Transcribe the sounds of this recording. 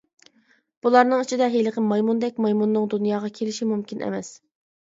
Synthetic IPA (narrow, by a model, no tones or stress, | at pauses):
b̥ulˠɑɾnɨŋyt͡ʃʰid̪ɛɦeləqəmɑjmund̪ɛk̚ʲmɑjmunːɨŋd̪unjɑːʁɑkʲʰelɪʃimumkʲinʔɛ̰mɛs